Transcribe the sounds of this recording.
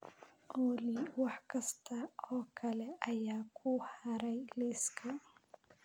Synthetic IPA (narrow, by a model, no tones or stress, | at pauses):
ʔɔːlɪwɑħkʰɐst̪ʰɐɔːkʰɐlɛʔɐjaːkʰʊhɐɾɛjlɪskʰɐ